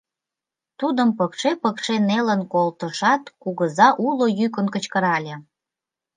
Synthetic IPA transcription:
t̪ud̪əmpəkʃepəkʃenelənkolt̪əʃɑt̪kuɣəzɑʔulojyk̬ənkət͡ɕkəɾɑlʲe

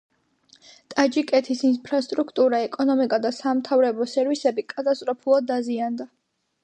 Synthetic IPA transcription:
t̪ʼad͡ʒikʼɛt̪ʰisinpʰɾast̪ʼɾukʰt̪ʼuɾaɛkʼɔnɔmikʼad̪asamt̪ʰavɾɛbɔsɛɾvisɛbikʼat̪ʼast̪ʼɾɔpʰulˠad̪aziand̪a

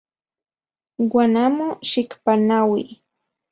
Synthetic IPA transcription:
wanamʊʃɪkpanawi

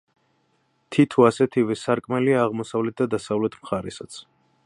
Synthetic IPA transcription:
t̪ʰit̪ʰuasɛt̪ʰivɛsaɾkʼmɛliaːʁmɔsavlɛt̪̚d̪ad̪asavlɛt̪ʰmχaɾɛsat̪sʰ

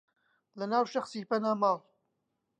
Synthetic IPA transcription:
lɐnaːwʃɐxsiːpɐnaːmɑːl

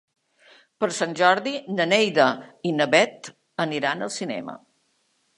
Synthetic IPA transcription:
pəɾsanʲʒɔɾðinənejðəinəβɛt̪ | əniɾanəlˠsinɛ̰mə̰

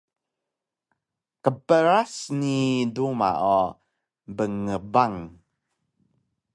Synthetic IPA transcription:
kəpəɾasniduma̰o | bəŋəbaŋ

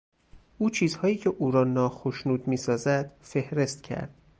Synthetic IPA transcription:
ʔuːt͡ʃʰiːzhɒːjiːcʰe̞ʔuːɾɒːnɒːxoʃnuːd̪miːsɒːzæd̪̥fe̞hɾe̞st̪cʰæ̰ɾd̪̥̚

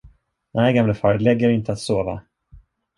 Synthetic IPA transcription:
næjɡamləfœːɾəd̪lɛɡːəɾɪnt̪əat̪soːva̰

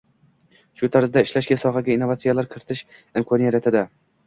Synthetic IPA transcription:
ʃʊt̪ʰaɾzd̪aɪʃlaʃɡʲasɒχaɡʲainːovat̪sijalaɾkʰɪɾɪt̪ʰɪʃ | ɪmkʰɒnijaɾat̪ʰɪd̪a

